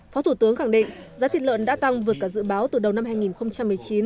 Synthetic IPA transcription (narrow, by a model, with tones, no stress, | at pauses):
fɔ˨˦t̪ʰu˧˩t̪ɨ˨˦əŋxa˧˩ŋɗḭ˧˨ŋ̟zaː˨˦t̪ʰi˨˩lə̰˧˨nɗa̰ː˧˥t̪a˧ŋvɨ˨˩əkːaː˧˩zɨ̰˧˨ɓaː˨˦wt̪ɨ˨˩ɗə˨˩wna˧mɦaː˧jŋi˨˩nxə˧wŋ͡mt͡ɕa˧mːɨ˨˩əjt͡ɕi˨˦n